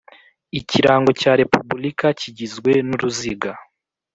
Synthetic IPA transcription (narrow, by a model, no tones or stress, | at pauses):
iciɾaːŋɡo̞caːɾe̞pubulikaciɟizɡwe̞nuɾuziɡa